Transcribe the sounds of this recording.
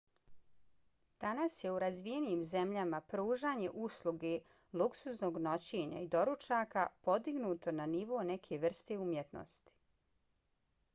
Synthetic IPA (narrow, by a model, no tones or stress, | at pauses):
d̪̥anasje̞uɾazʋijeniiːmze̞mʎamapɾuːʒaːɲe̞ʔuslˠuɡe | lˠuksusno̞ːɡno̞t͡ɕe̞ɲa̰id̪o̞ɾut͡ʃaːkapo̞d̪iɡnuːt̪o̞naniʋo̞ːne̞kʰe̞ʋr̩st̪e̞umjet̪no̰st̪i̥